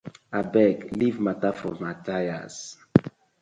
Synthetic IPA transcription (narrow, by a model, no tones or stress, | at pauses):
abɛklivmatafɔmataja̰s